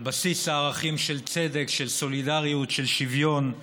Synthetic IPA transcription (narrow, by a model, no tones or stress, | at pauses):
basisaːʁaχimʃelt͡se̞d̪ekʃelso̞lidaʁijutʃelʃivjo̞n